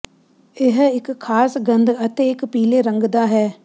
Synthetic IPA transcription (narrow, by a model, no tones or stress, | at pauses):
ɪɦɪkʰːaːsɡə̃nd̪ət̪eːɪkpiːleːɾə̃ŋɡd̪aːɦɛː